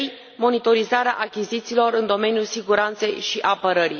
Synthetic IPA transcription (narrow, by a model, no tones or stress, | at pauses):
j | mo̞nit̪o̞ɾizaɾea̰ʔakʲizit̪siːlo̞ɾɨnd̪o̞me̞njulsiɡuɾant̪se̞jʃiʔapəɾəɾḭ